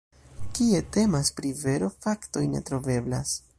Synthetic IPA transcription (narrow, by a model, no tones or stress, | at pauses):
kie̞te̞maspɾive̞ɾo̞fakto̞jne̞̰tɾo̞ve̞bla̰s